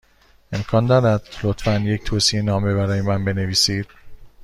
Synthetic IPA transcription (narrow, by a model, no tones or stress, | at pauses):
e̞mkʰɒːnd̪ɒɾæd̪̥̚lot̪fænje̞ct̪ʰoːsienɒːme̞βæɾɒːjemænbe̞neviːsiːd̪̥̚